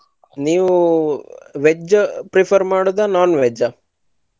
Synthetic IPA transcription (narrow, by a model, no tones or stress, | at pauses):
niːʋu | ʋed͡ʒɐpɾipʰɐɾmaːɽud̪anaːnʋɛd͡ʒɐ